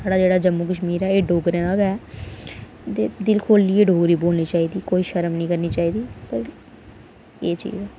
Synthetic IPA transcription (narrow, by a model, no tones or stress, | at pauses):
saːɖaːd͡ʒeːɽaːd͡ʒəmːuːkəʃmiːɾɛːeːɖoːɡɾẽːaɡɛː | t̪eːd̪ɪlkʰoːlːiːeːɖʱoːɾiːboːlniːt͡ʃaːiːd̪iːkoːiːʃəɾəmnĩːkəɾniːt͡ʃaːiːd̪iːpəɾ | eːt͡ʃḭːzɛː